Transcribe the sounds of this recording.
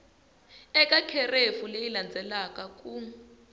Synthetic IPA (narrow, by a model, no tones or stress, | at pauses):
ɛkʼakʰɛrefulejiland͡zʱɛlakʼakʼu